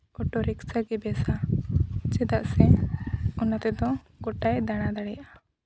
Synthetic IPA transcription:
ɡɔʈɔɾɛksaɡɛbɛsa | t͡ʃɛd̪aʔsɛ | ɔnat̪ɛd̪ɔ | ɡɔʈajd̪aɽ̃ad̪aɽɛjaʔa

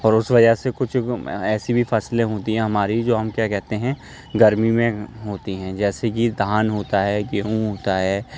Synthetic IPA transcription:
ɔːɾʊsʋɐd͡ʒəɦsekʊt͡ʃʰɛːsibʱifɐslẽɦoːt̪iɦɛ̃ɦɐmaːɾid͡ʒoːɦɐmkjaːkɛɦt̪eɦɛ̃ | ɡɐɾmimẽɦoːt̪iɦɛ̃ːd͡ʒɛːsekid̪ʱaːnɦoːt̪aɦɛːɡeũɦoːt̪aɦɛː

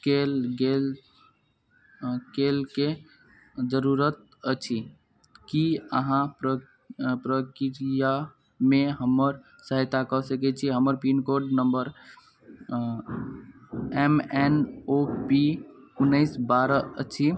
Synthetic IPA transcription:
kelɡel | kelke | d͡ʒəɾuɾət̪̚ | ət͡ʃʰi | kiəɦãpɾə | pɾəkiɾija | meɦəməɾ | səɦt̪akɔsəkɛt͡ʃʰiɦəməɾpinkoɾɖnəmbəɾ | emɛnopiunːəɪsbaɾəət͡ʃʰi

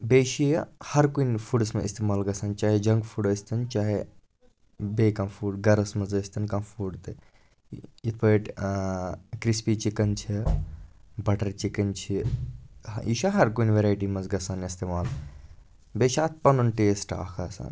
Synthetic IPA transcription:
beːʃihɐɾkunfʰuɖɐsmeist̪eːmaːlɡɐsaːnt͡ʃaːɦed͡ʒɐŋɡfʰuɖəːsʲt̪ʰɐnt͡ʃaːɦe | beːkãːfʰuːɖɡɐɾɐsmɐzəːst̪ʰɐnkãːfʰuːɖt̪ɨ | it̪ʰpəːʈ | kɾispiːt͡ʃikɐnt͡ʃʰi | bɐʈɐɾt͡ʃikɐnt͡ʃʰi | jiʃaɦɐɾkunʋeɾaːjʈ̬iːmɐnzɡɐsaːnist̪eːmaːl | beːʃaːt̪̚ʰpɐnunʈeːsʈa̰ːkʰaːsa̰ːn

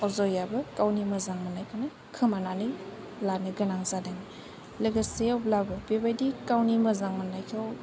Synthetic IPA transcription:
ɔzɔjabɯkawnimɐzaŋmanajkʰana | kʰɯmananɯ | lanɯɡɐnaŋzadani | leɡaseawblabɯpebajdikawnimɐzaŋmanajkʰɯw

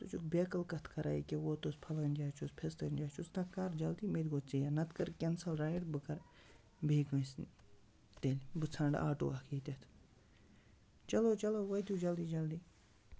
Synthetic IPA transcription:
t̪ut͡ʃʰukbeːkɐlkɐt̪ʰkʰɐɾʔa̰ːikʲewoːt̪ospʰɐlɐnʲd͡ʒaːt͡ʃʰuspʰest̪ɐnʲd͡ʒaːt͡ʃʰusnɐkːaɾd͡ʒɐld̪iːmed̪ʲɡoːt͡sijanɐt̪kɐɾkʲensɐlɾaːiɽbɨkɐɾ | bʱeːɡɨ̃sn | t̪elʲbɨt͡sʰaɳɖa̰ːʈo̰ːakʰiːt̪ʲet̪ʰ | t͡ʃɐloːt͡ʃɐloʋɐjt̪uːd͡ʒɐld̪iːd͡ʒɐld̪iː

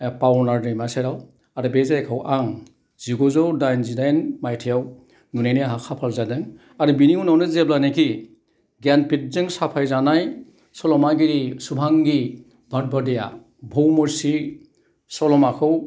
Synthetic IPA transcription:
pawnaɾdejmaseɾaw | aɾɯbezajkʰawʔaŋ | z̥iɡɔzɔwdajnzidajnmajtʰijaw | nunajnɯɦakʰapʰalzadɯŋ | aɾɯbiniunawnɯzeblanekʰi | ɡanpit̚zɯŋsapʰajzanaj | sɔlɔmaɡiɾisubʱaŋɡi | bʱat̚badeja̰ | bʱowmɔɾsi | sɔlɔmakʰɯw

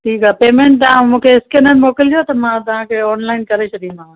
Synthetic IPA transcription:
ʈʰiːkaːpeːmẽːɳʈ̚t̪ɐʋãmũːkʰeɪskeːnəɾmoːkɪld͡ʑot̪ɐmãt̪ɐʋ̤ãkʰeɔːnlaːɪnkɐɾet͡ɕʰʊd̪ĩd̪ʱã

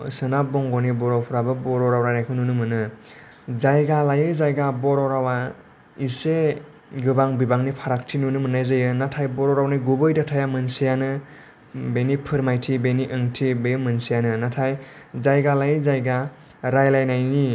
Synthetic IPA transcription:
sɯnabɔŋɡɔnibɔɾɔwpʰuɾabɯbɔɾɔɾawɾaɾakʰɯnunɯmɯnɯ | zajɡalajɯzajɡabɔɾɔɾawa | ise | ɡɯbaŋbibaŋnipʰaɾak̚tʰinunɯmɯnajzɯjɯnatʰajbɔɾɔɾawniɡubɯjdatʰajamɯnsijanɯ | benipʰɯɾmajtʰibeniʔɯŋtʰibejmɯnsijanɯnatʰajzajɡalajɯzajɡa | ɾajlajnajni

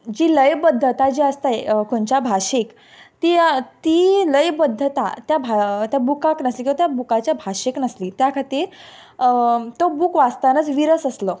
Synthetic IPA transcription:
d͡ʑiːləjbəd̪ʱːət̪ad͡ʑiəst̪ajkoɳt͡ɕabʱaɕik | t̪iːt̪iːləjbəd̪ʱːət̪a̰t̪jabʱat̪jabukãknəslikĩʋat̪jabukat͡ɕjabʱaɕiknəsliːt̪jakʰat̪iːɾ | t̪obuːkʋast̪anət͡sʋiɾəsəslɔ

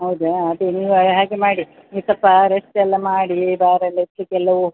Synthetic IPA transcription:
ɦɐwd̪eɐd̪eniːʋuɦaːɡemaːɽi | nit̪ɐpːɐɾest̪ɛlːɐmaːɽibaːɾɐletːɐkɛlːɐʋu

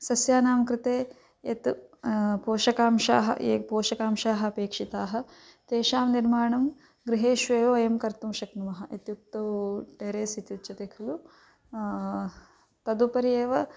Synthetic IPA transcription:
sɐsjaːnaːmkɾɪt̪eː | et̪ | poːʃɐkaːmʃa̰ːɦɐ̰eːpoːʃɐkaːmʃaːɦɐɐpeːkʂit̪aːɦɐ̆ | t̪eːʃaːmniɾmaːɳɐm | ɡɾiɦeːʃʋeːʋoːjɐmkɐɾt̪umʃɐknuʋɐɦɐʔet̪juk̚t̪ɐʋʈeːɾeːsit̪jut̪ːt͡ʃɐt̪ekʰulu | t̪ɐd̪upɐɾijeːʋɐ

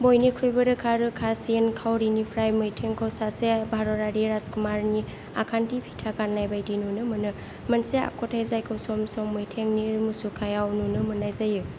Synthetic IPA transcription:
bojnikʰɾujbɯɾɯkʰaɾɯkʰasinkʰawɾinipʰɾajmɯjtʰeŋkʰawsasebʱaɾɔɾaɾiɾazkumaɾni | akʰantipʰitʰakanːajbajdinunɯmɯnɯ | mɐnsea̰kʰɔtʰajzajkʰɯwsɔmsɔŋmɯjtʰeŋnimusukʰajawnunɯmɯnːajzajɯ

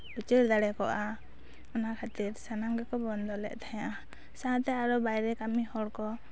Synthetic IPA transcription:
but͡ʃiɾd̪aɽɛkɔʔa | ɔnakʰat̪iɾsanaŋɡɛkɔbɔnd̪ɔlɛ̰ʔt̪ʰajãʔa | sãt̪ɛaɾɔbajɾɛkamihɔɽkɔ

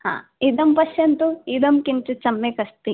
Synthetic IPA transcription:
ha̰ːid̪ɐmpɐʃjɐnt̪uid̪ɐmkint͡ʃut͡ʃɐmːekɐst̪i

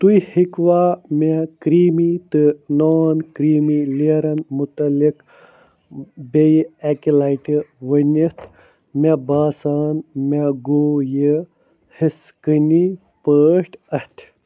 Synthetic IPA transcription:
t̪ujhikʋamekɾiːmit̪ɨnoːnkɾiːmileɾɐnmut̪ɐlik | bejekilajʈiʋənit̪ʰ | mebaːsaːnmeɡoːjə | his | kəni | pəːʂʈɐst̪ʰ

